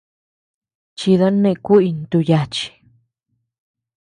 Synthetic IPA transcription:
t͡ʃi˧ða˦nẽ˧ku˦ʔi˧nt̪u˧ja˧t͡ʃi̥˧

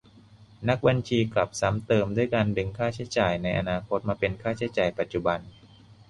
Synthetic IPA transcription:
na˦˥k̚ba˧nt͡ɕʰiː˧kla˨˩p̚sa˩˦˥mt̪ɤː˧mdu˥˩jkaː˧nbe˧ŋkʰaː˥˩t͡ɕʰa˦˥jt͡ɕaː˨˩jna˧jʔa˧naː˧kʰo˦˥t̪̚maː˧pe˧nkʰaː˥˩t͡ɕʰa˦˥jt͡ɕaː˨˩jpa˨˩t̪̚t͡ɕu˨˩ba˧n

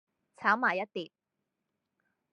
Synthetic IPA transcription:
t͡sʰaː˨˥wmaː˨˩jɐ˥t̚t̪iː˨p̚

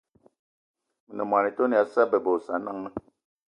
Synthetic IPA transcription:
mə˨nə˨m˨a˨ni˨to˦ni˨a˨˦sa˦bə˨bo˨sa˨˦na˦ŋə˦

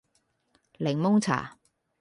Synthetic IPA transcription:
lɪ˨˩ŋmʊ˥ŋt͡sʰa̰ː˨˩

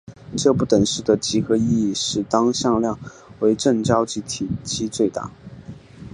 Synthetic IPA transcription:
ʈ͡ʂɤ˥˧pu˥˩t̪ə˨˩ŋʂɻ̩˥˩d̪ə˩t͡ɕi˧˥xɤ˧˥i˥˧i˥˧ʂɻ̩˥˩t̪ɑ˥ŋɕjɑ˥˧ŋljɑ˥˩ŋ | we˧˥ɪʈ͡ʂə˥˩ŋt͡ɕjɑ˥ʊt͡ɕi˧˥t̪ʰi˨˩t͡ɕi˧˥t͡swe˥˧ɪt̪a̰˥˩

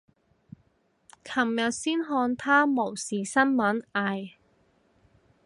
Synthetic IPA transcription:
kʰɐ˨˩mjɐ˨t̚siː˥nɦɔː˧nt̪ʰaː˥mo˨˩wsiː˨sɐ˥nmɐ˨˥naː˨˧j

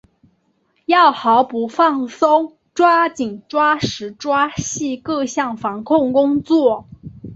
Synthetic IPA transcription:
jɑ˥˩ʊxɑ˧˥ʊpu˨˧˥fɑ˥˩ŋso˥ŋ | ʈ͡ʂwa˥t͡ɕi˨˩ŋʈ͡ʂwa˥ʂɻ̩˧˥ʈ͡ʂwa˥ɕi˥˧kɤ˥˧ɕjɑ˥˩ŋfɑ˧˥ŋkʰʊ˥˩ŋkʊ˥ŋt͡swɔ˥˩

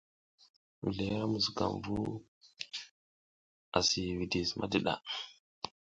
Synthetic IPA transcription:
wḭ˨le˨ja˦mu˨sɡa̰˨mvu˦ | a˨si˨wi˨di˨smʔa˦di˦˨ɗa̰˨

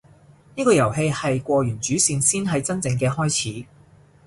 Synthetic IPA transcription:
niː˥kɔː˧jɐ˨˩wɦe˧jhɐ˨jkʷɔː˧jyː˨˩nt͡ʃyː˨˥siː˧nsiː˥nɦɐ˨jt͡sɐ˥nt͡sɪ˧ŋkɛː˧hɔː˥jt͡sʰiː˨˥

